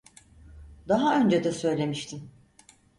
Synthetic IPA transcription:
d̪aɦaø̞nd͡ʒed̪ɛsø̞jlʲe̞miʃt̪ʰim

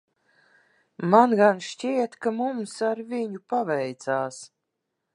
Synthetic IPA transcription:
manɡanʃt͡ʃiɛt̪kamumsaɾviɲupavɛjt̪saːs

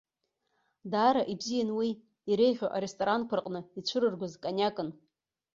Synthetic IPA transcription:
daːɾaʔibzijanwiː | iɾe̞jʁʲoʔa̰ɾestʼoɾankʷʰarqʼnɨit͡ʃʷʰɨɾɨrɡʷʊzkʼanʲakʼɨn

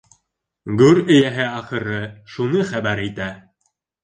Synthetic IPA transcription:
ɡʉɾɘ̆jæɦɘɑχɤ̆ɾɤʃunɤχæbæɾit̪æ

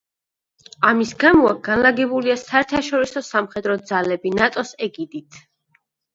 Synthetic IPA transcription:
amisɡamɔaɡanlaɡɛbuliasaɛɾt̪ʰaʃɔɾisɔsamχɛd̪ɾɔd̪zalɛbinat̪ʼɔsɛɡid̪it̪ʰ

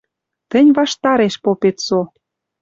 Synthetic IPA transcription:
t̪ə̆nʲvɑʃt̪ɑɾeʃpopet̪so

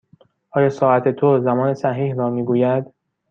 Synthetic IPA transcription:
ʔɒːjɒːsɒːʔæt̪ʰe̞t̪ʰozæmɒːne̞sæɦiːhɾɒːmiːɡuːjæd̪

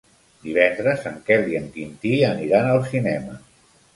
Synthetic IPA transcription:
d̪iβ̞ɛnd̪ɾəzəŋkɛliəŋkint̪iəniɾanəlˠsinɛmə̰

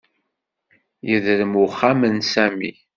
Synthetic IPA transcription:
jəðɾəmʊχamənsæmḭ

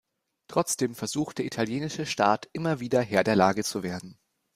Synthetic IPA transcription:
tʁ̥ɔt͡sd̥eːmfɛɐzuːxt̚d̥eːɐʔitʰaljeːnɪʃəʃtaːtʔɪmɐviːdɐɦeːɐdeːɐlaːɡət͡suveːɐdn̩

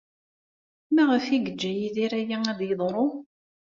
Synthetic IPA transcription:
mæʁəfiɡəd͡ʒːæjiðiɾæjææðjəðˤɾˤo

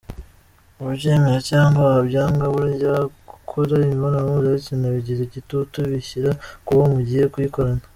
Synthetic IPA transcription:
uβuɾɟeːmeɾacaːŋɡabɟaːŋɡaβuɾeɟaːkʰoɾaimiβonoɾamuzaɾicinaβiɟiɾeɟitutuβiçiɾakuβomuɟihe̞kujikoɾana

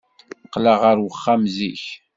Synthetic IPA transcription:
qːlaʁəɾwəχːamziç

